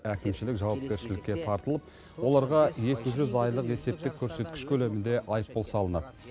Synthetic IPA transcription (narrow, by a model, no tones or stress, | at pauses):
ækʲɪmʃɪlɪkʒɑwɑp̚kʲe̞ɾʃɪlɪkʲːe̞t̪ʰɑɾt̪əlˠəp | wo̞lˠɑɾʁɑje̞kʲɪʒʏzɑjlˠəqe̞se̞p̚t̪ɪkʲʰːɵɾse̞t̪̚kʲɪ̥ʃkʲʰɵle̞mɪnd̪e̞ʔɑjəpːolˠsɑlˠənɑd̪